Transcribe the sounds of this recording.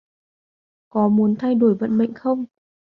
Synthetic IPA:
kɔ˨˦mu˨˦ənt̪ʰa˧jɗo˧˩əjvə̰˧˨nmḭ˧˨ŋ̟xə˧wŋ͡m

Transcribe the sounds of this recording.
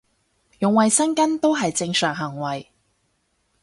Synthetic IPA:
jʊ˨ŋwɐ˨jsɐ˥nkɐ˥nt̪o˥wɦɐ˨jt͡sɪ˧ŋsœː˨˩ŋɦɐ˨˩ŋwɐ˨˩j

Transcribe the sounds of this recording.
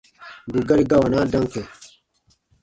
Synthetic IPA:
ɡu˨ɡɐ˦ɾi˦ɡa˦wa˨naː˦dɐ˦ŋke˨

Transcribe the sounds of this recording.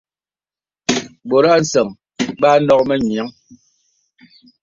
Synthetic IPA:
bo˨ɾa˦n̩˨sə˨ŋ | ɓa˦nɔ˦k̚mɛ˦ɲi˨a˨˦ŋ

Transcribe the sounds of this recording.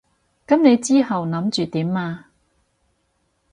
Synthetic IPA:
kɐ˨˥mne˨˧jt͡siː˥hɐ˨wnɐ˨˥mt͡ʃyː˨t̪iː˨˥mːaː˧

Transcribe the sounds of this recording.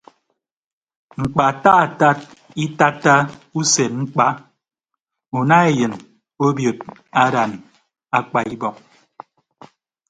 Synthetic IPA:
ŋ͡m̩˨k͡pa˨ta˦a˨ta˦t̚ | i˦ta˦ta˦u˦se˨t̚ŋ͡m̩˦k͡pa˦ | u˨na˦e˨jɨ˨n | o˦bjo˨t̚a˦ɾa˨n | a˦k͡pa˨i˦bɔ˨k̚

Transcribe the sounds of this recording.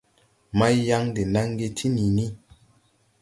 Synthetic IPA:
ma˦jja˦ŋde˨na˦ŋ˦ɡe˧tʰi˦ni˨ni˦

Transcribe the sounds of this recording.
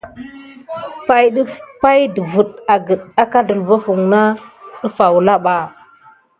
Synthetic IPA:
pa˦jɗə˦pa˦jdə˨vu˨ɗa˨ɡə˨ɗa˦ka˦də˨lva˦fu˨ŋna˦ɗə˦fa˨wla˦ɓa˨

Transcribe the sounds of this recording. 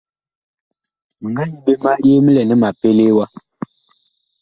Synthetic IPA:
mə˨ŋɡa˦ɲi˦be˦ma˦je˦mə˦lɛ˨nə˦ma˨pe˦le˦wa˦

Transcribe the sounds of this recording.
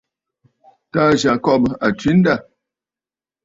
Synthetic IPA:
ta˦ʒa˨kɔ˦˨bə˨a˨tɥi˦n̩˦da˦˨

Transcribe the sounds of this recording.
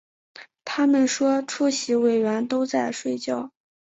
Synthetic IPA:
t̪ʰa˥mə˨nʂwɔ˥ʈ͡ʂʰu˥ɕi˧˥we˨˩ɪɥɛ˧˥nt̪o˥ʊt͡sa˥˧ɪʂwe˥˧ɪt͡ɕjɑ˥˩ʊ

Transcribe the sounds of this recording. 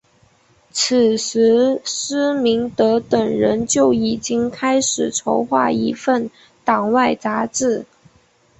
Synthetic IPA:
t͡s̩ʰ˨˩ʂ̩˧˥ʂ̩˥mi˧˥ŋt̪ɤ˧˥t̪ə˨˩ŋɻə˧˥nt͡ɕjo˥˩ʊi˨˩t͡ɕi˥ŋkʰa˥ɪʂɻ̩˨˩ʈ͡ʂʰo˧˥ʊxwa̰˥˩i˧˥fə˥˩n | t̪ɑ˨˩ŋwa˥˩ɪt͡sa˧˥ʈ͡ʂɻ̩˥˩

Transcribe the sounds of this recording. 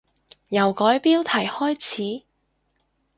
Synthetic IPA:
jɐ˨˩wkɔː˨˥jpiː˥wt̪ʰɐ˨˩jhɔː˥jt͡sʰiː˨˥

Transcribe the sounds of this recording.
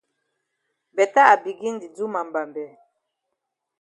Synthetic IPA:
bɛ˨ta˦a˨bi˨ɡi˦ŋdi˨d͡zu˦ma˨m˨ba˨mbɛ˨˦

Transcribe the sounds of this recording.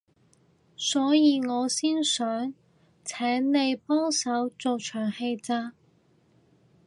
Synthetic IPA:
sɔː˨˥jiː˨˧ŋɔː˨˧siː˥nsœː˨˥ŋ | t͡sʰɛː˨˥ŋne˨˧jpɔː˥ŋsɐ˨˥wt͡so˨wt͡ʃʰœː˨˩ŋhe˧jt͡saː˧

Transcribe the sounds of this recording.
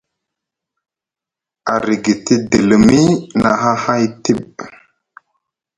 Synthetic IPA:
a˨ɾi˨ɡi˨ti˦di˨lmmi˦na˨ɦa˦ha˦jti˦˨ɓ

